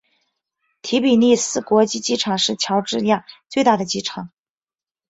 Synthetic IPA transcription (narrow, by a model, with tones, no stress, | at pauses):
t̪ʰi˧˥pi˨˩ni˥˧sɹ̩˥kwɔ˧˥t͡ɕi˥˧t͡ɕi˥ʈ͡ʂʰɑ˨˩ŋʂɻ̩˥˩t͡ɕʰjɑ˧˥ʊʈ͡ʂɻ̩˥˧ja˥˩t͡swe˥˧ɪt̪a˥˩d̪ə˩t͡ɕi˥ʈ͡ʂʰɑ˨˩˦ŋ